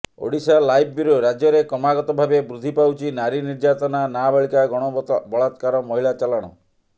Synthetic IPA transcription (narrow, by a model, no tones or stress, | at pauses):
o̰ɽisalajb̚ʱbiɾoɾad͡ʒjɔɾekɔmaɡɔt̪ɔbʱabebɾud̪ʱipawt͡ʃʰinaɾiniɾd͡ʒat̪ɔnanabaɭikaɡɔɽ̃ɔbɔɭat̪kaɾɔmɔɦiɭat͡ʃalɔɽ̃ɔ̰